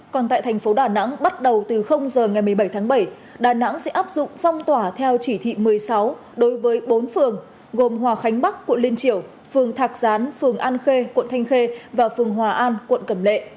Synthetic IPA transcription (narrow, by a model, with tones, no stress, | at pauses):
kɔ˨˩nt̪a̰ː˧˨t̪ʰɛ˨˩ŋ̟fo˨˦ɗaː˨˩na̰˧˥ŋɓa˦˥t̚ɗə˨˩wt̪ɨ˨˩xə˧wŋ͡mzəː˨˩ŋa˨˩jmɨ˨˩əjɓə˧˩jt̪ʰaː˨˦ŋɓə˧˩j | ɗaː˨˩na̰˧˥ŋsɛ̰˧˥ʔaː˦˥p̚zʊ̰˧˨ŋ͡mfa˧wŋ͡mt̪waː˧˩t̪ʰɛ˧wt͡ɕi˧˩t̪ʰḭ˧˨mɨ˨˩əjsa˨˦w | ɗo˨˦jvəː˨˦jɓo˨˦nfɨ˨˩əŋ | ɣo˨˩mɦwaː˨˩xa˨˦jŋ̟ɓa˦˥kːwə̰˧˨nli˧ənt͡ɕi˧˩əw | fɨ˨˩əŋt̪ʰaː˨˩k̚zaː˨˦nfɨ˨˩əŋʔaː˧nxe˧kwə̰˧˨nt̪ʰa˧jŋ̟xe˧vaː˨˩fɨ˨˩əŋɦwaː˨˩ʔaː˧nkwə̰˧˨nkə˧˩mlḛ˧˨